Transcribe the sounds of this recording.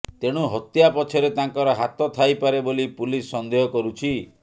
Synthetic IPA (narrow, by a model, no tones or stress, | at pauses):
t̪eɽ̃uɦɔt̪japɔt͡ʃʰɔɾet̪aŋkɔɾɔɦat̪ɔt̪ʰajpaɾebolipulisːɔnd̪eɦɔkɔɾut͡ʃʰi